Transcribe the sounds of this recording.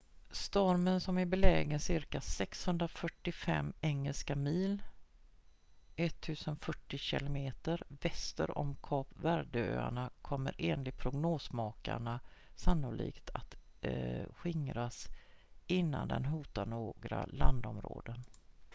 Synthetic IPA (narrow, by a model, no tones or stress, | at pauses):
st̪ɔɾmənsɔmɪbɛlɛːɡənsɪɾkasɛkshɵnd̪ɾafœʈːɪfɛ̰mːɛŋːəlskamiːl | ʔɛt̪ʰːʉ̟ːsənfœʈːɪɕɪ̰lʊmeːt̪əɾvɛst̪ə̰ɾɔ̰mkʰɑːpvæːɖəø̰ːa̰ɳakʰɔmːəɾʔeːnlɪɡ̚pʰɾʊɡnoːsmɑːka̰ɳasanːʊlḭːkt̪ʰat̪ | ɧɪŋɾas | ɪnːa̰nd̪ɛ̰nɦuːt̪aɳoːɡɾa̰land̪ɔmɾo̰ːd̪ən